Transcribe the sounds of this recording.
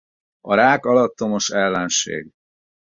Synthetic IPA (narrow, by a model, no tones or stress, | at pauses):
ɒɾaːkɒlɒt̪ːo̞mo̞ʃɛlːɛnʃḛːɡ